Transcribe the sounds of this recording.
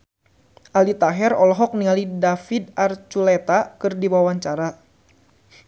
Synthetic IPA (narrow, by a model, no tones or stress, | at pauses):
ʔalit̪aɦɛrɔlɔɦɔk̚niŋalidafid̪̚art͡ʃulɛt̪akɨrdiwawaɲt͡ʃaɾa